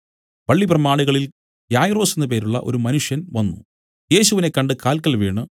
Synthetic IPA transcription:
ʋɐɭːiprɐmaːɳiɣɐɭil | jaːjro̞ːsenːɨp̬e̞ːɾuɭːɐ̰ʔo̞̰ɾumɐnuʂjɐnʋɐnːṵ | je̞ːɕuʋine̞kːɐɳɖɨkaːlkːɐlʋiːɳɨ

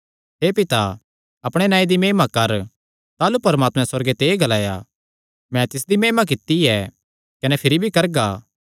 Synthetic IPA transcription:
ɦeːpɪt̪a | ɐpɽ̃enaːĩd̪imeːmakɐɾ | t̪aːlupɐɾmaːt̪mɛ̃sɐɾɡet̪eːɡɐlaːja | mɛ̃t̪ɪs̬d̪imeːmak̬ɪt̪ːiɛː | kɐnɛpʰɪɾibʱikɐɾɡaː

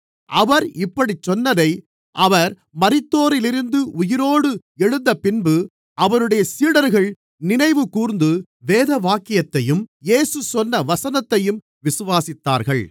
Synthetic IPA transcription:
ʔɐʋɐɾɪpːɐɽit͡ʃːɔnːɐðɐɪ | ʔɐʋɐɾ | mɐɾɪt̪ːoːɾɪlɪɾɯnd̪ɯʔʊjɪɾoːɽɯ | ɛɻɯndɐpɪnbɯ | ʔɐʋɐɾɯɽɐjɐsiːɽɐɾɣɐɭ | nɪnɐɪʋɯkuːɾnd̪ɯ | ʋeːðɐʋaːkːɪjɐt̪ːɐjɯmjeːsɯsɔnːɐʋɐsɐnɐt̪ːɐjɯm | ʋɪsɯʋaːsɪt̪ːa̰ːɾɣɐɭ

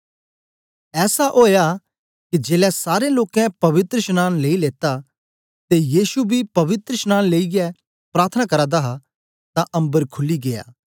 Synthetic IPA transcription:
ɛːsaʔoːja | kid͡ʒeːlɛsaːɾeloːkɛ̃pɐʋɪt̪ɾəʃənaːnleːileːt̪a | t̪ejiːsubʱipɐʋɪt̪ɾəʃnaːnleːiɡɛ | pɾaːɾt̪ʰənakɐɾad̪aɦa | t̪ãʔɐ̃mbəɾkʰʊlːiɡeːja̰ː

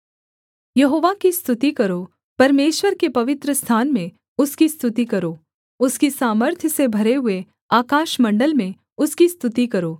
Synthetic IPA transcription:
jɐɦoːʋakist̪ʰʊt̪ikɐɾo | pɐɾmeːʃwəɾkepɐʋɪt̪ɾəst̪ʰaːnmẽ | ʊskist̪ʰʊt̪ikɐɾoː | ʊskisaːməɾt̪ʰjəsebʱɐɾeɦʊe | aːkaːʃmɐ̃ɳɖəlmẽ | ʊskist̪ʊt̪ikɐɾoː

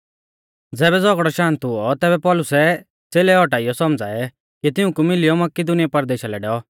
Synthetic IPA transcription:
d͡zɛːβɛd͡zɔɡɽɔʃãːnt̪ɦʊɔt̪ɛːbɛpɔlʊsɛ | t͡seːlɛɔʈaːijɔsɔmd͡zaːɛ | kit̪ɪũkumɪlɪjɔmɐkid̪ʊnijapɐɾd̪eːʃalɛɖɛːɔ

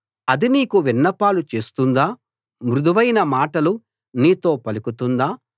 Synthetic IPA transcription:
ɐd̪iniːkuʋinːɐpaːlut͡ʃe̞ːst̪und̪aː | mɾud̪ɐʋɐjnɐmaːʈɐlu | niːt̪o̞ːpɐlikut̪und̪aː

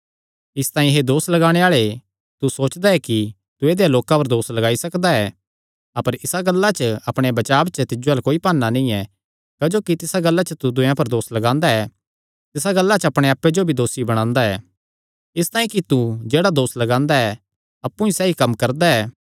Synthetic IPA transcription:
ɪst̪ãːĩɦed̪oːslɐɡaːɽ̃eaːɭe | t̪usoːt͡ʃd̪aɛki | t̪ʊeːd̪ejaloːkãpɐɾd̪oːslɐɡaːisɐkd̪aɛ | ɐpəɾɪsaɡɐlːat͡ʃəɐpɽ̃ebɐt͡ʃaːbt͡ʃət̪ɪd͡ʒoaːlkoːipaːnːanĩɛ | kɐd͡ʒoːkit̪ɪsaɡɐlːat͡ʃət̪ud̪ʊjãpɐɾd̪oːslɐɡãːnd̪aɛ | t̪ɪsaɡɐlːat͡ʃəɐpɽ̃eaːpːed͡ʒobʱid̪oːsibɐɽ̃ãːnd̪aɛ̰ː | ɪst̪aːĩkit̪ud͡ʒeːɽad̪oːslɐɡãːnd̪aɛ | ɐpːũisɛːɦikɐmkɐɾd̪aɛː

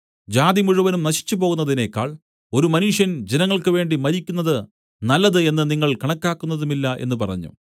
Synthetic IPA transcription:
d͡ʑaːd̪imuɻuʋɐnumnɐɕi̥t͡ɕːup̬o̞ːɣunːɐðine̞kːa̰ːɭ | o̞ɾumɐnuʂjɐnd͡ʑenɐŋːɐɭkɨʋe̞ːɳɖimɐɾikʲːunːɐðɨ | nɐlːɐðɨe̞nːɨniŋːɐɭkɐɳɐkːaːkːunːɐðumilːɐʔe̞̰nːɨpɐrɐ̰ɲːṵ

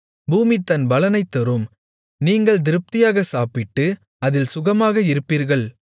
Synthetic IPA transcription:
buːmit̪ːɐnbɐlɐnɐɪt̪ːɔɾɯm | niːŋɡɐɭd̪ɪɾɯp̚t̪ɪjaːɣɐsaːpɪʈːɯ | ɐðɪlsʊɣɐmaːɣɐɪɾɯpːiːɾɣɐɭ

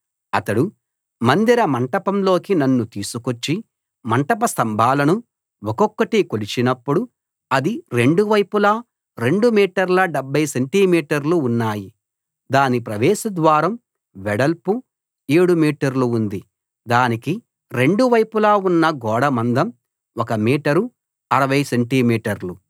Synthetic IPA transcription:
ɐt̪ɐɽu | mɐnd̪iɾɐmɐɳʈɐpɐmlo̞ːkinɐnːut̪iːsukot͡ʃːi | mɐɳʈɐpɐst̪ɐmbʱaːlɐnu | ɔkɔkːɐʈikolit͡ʃinɐpːuɽu | ɐd̪iɾe̞ɳɖuʋɐjpula | ɾe̞ɳɖumiːʈɐɾlɐɖɛbʱːɐjseɳʈimiːʈɐɾluːnːaːji | d̪aːnipɾɐʋɛːsɐd̪ʋaːɾɐm | ʋɛɽɐlpu | eːɽumiːʈɐɾluːnd̪i | d̪aːniki | ɾe̞ɳɖuʋɐjpulaːunːɐɡɔːɽɐmɐnd̪ɐm | ɔkɐmiːʈɐɾu | ɐɾɐʋɐjseɳʈimiːʈɐɾlu

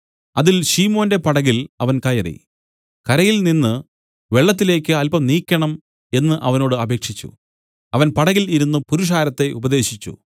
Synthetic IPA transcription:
ɐðilɕiːmo̞ːnde̞pɐɽɐɣilɐʋɐnkɐjɐrḭ | kɐɾɐjilninːɨ | ʋe̞ɭːɐt̪̬ːile̞ːkʲːɨɐlpɐmniːkʲːɐɳɐm | e̞nːɨʔɐʋɐno̞ːɽɨɐbʱe̞ːkʂit͡ɕːṵ | ɐʋɐnpɐɽɐɣiliɾunːupuɾuʂ̬aːɾɐt̪ːe̞ʔubɐðe̞ːɕit͡ɕːṵ

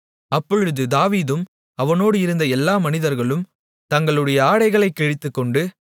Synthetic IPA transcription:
ɐpːɔɻɯðɯd̪aːʋiːðɯm | ɐʋɐnoːɽɯɪɾɯnd̪ɐɛlːaːmɐnɪðɐɾɣɐɭɯm | t̪ɐŋɡɐɭɯɽɐjɐaːɽɐɪɣɐɭɐɪkːɛɻɪt̪ːɯkːɔɳɖɯ

